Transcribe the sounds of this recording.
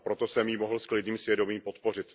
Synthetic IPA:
pɾot̪osɛmjimoɦl̩sklɪdniːmsvjɛdo̞miːmpo̞t̪po̞r̝ɪt̪

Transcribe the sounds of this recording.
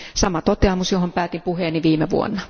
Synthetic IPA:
sɑmɑt̪ot̪eɑmusjohompæːt̪impuheːnːiʋiːmeʋṵo̰nːɑ

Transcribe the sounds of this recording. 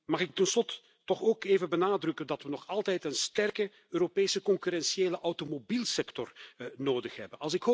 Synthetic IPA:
mɑχɪk̚tənslɔtə̥ | tɔxoːkeːvənbənaːdrɵkəndɑtʋənɔχɑlˠtɛjtənstɛrkə | øːɾopeːsəkɔŋkyɾɛnsieːləʔawtomobiːlˠsɛktɔrnoːdəxɦɛ̰bənɑlˠsɪkho

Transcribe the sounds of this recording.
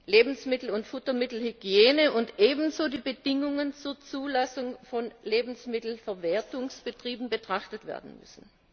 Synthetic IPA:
leːbn̩smɪtl̩ʊntfʊtɐmɪtl̩hyɡjeːnəʔʊntʔeːbn̩zoːdiːbəd̥ɪŋʊŋənt͡suːɐt͡suːlasʊŋfɔnleːbn̩smɪtl̩fɛɐvɛːɐtʊŋsb̥ətʁ̥iːbn̩bətʁ̥aχtətv̥ḛːɐdn̩mʏ̰sn̩

